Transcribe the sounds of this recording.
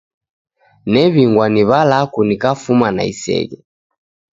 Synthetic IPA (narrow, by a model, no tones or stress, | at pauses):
nɛβiŋɡwaniβalakunikafumana̰ḭsɛ̰ɡɛ